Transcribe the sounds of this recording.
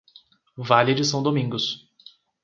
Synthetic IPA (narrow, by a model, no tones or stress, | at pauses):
valed͡ʒɪsɐ̃w̃d̪omĩŋɡʊs